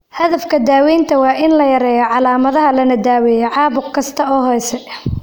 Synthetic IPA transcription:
hɐðɐfkʰɐd̪aːwɛjnt̪ʰɐwɑːʔɪnlɐjɐɾɛːjɔʕɑlaːmɐðɐɦɐlɐnɐd̪aːwɛjɛʕɑːβʊqkʰɐst̪ʰɐɔːɦɔːjsɛ

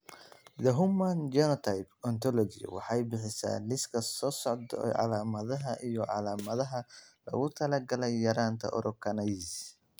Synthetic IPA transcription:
d̪ɐɦʊmːɐnd͡ʒɛnɔt̪ʰajpɔnt̪ʰɔlɔd͡ʒḭwɑ̰ħɑjbɪħɪsa̰ːlɪskʰɐsɔːsɔʕd̪̰ʕɑ̰laːmɐðɐɦɐʔijɔʕɑ̰laːmɐðɐɦɐlɐ̰ɣʊt̪ʰɐlɐɡɐlɛjːɐɾaːnt̪ʰɐ̰ʔɔ̰ɾʔɔkʰɐnɛz

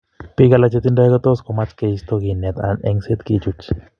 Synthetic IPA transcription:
piɡalat͡ʃet̪indajkat̪oskomat͡ʃkeist̪oɡinɛt̪a̰nɛ̰ŋset̪kit͡ʃut͡ʃ

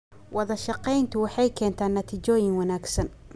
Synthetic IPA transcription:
wɑðɐʃɑqɛjnt̪ʰʊwɑħɑjkʰɛːnt̪ʰaːnːɐt̪ʰiːt͡ʃɔːjɪŋwɑnaːɡsɐn

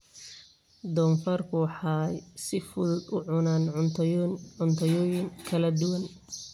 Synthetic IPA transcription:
d̪ɔːnfɐrkʰʊwɑħɑjsɪfʊðʊd̪ʊʕʊnaːn | ʕʊnt̪ʰɐjɔːjɪŋkʰɐlɐd̪ʊwɐn

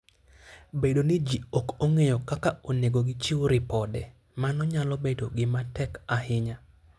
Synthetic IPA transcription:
bedonɪd͡ʒiokoŋejɔkakaoneɡoɡɪt͡ʃiwɾɪpɔdɛ | manɔɲalɔbedoɡɪmatɛkahɪɲa

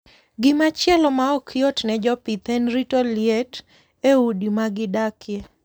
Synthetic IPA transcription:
ɡɪmat͡ʃjɛlɔmaɔkʰjɔtnɛd͡ʒɔpit̪ɛnɾitoljɛt | eudimaɡɪdakʰje

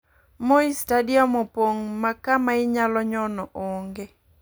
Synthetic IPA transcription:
moistadɪɔmɔpoŋmakamaɪɲalɔɲɔnɔʔoŋɡe

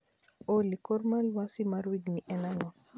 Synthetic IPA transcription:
olikɔɾmalwasimaɾwiɡniʔɛnaŋɔ

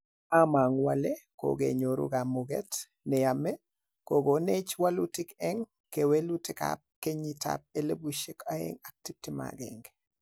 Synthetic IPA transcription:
ʔamaŋwaleko̰ɡḛɲoɾṵɡamuɡɛ̰t | nɛjamːe | koɡonet͡ʃwalutikɛŋ | kewelutika̰p̚keɲita̰p̚elebuʃekajḛŋak̚tib̚tima̰ɡɛ̰ŋɡe

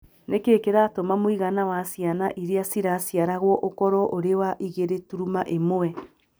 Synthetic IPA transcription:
nekeːkeɾatomamoiɣanawasijanaʔiɾeasiɾasjaɾaɣwɔʔokɔɾɔʔoɾewaʔiɣeɾetuɾumaʔemoɛ

